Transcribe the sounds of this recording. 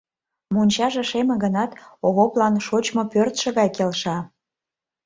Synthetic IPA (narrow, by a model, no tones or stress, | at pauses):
monʲt͡ɕɑʒĕʃemĕɣənɑt̪oɣoplɑnʃot͡ɕmopørt̪ʃə̆ɣɑjkelʃɑ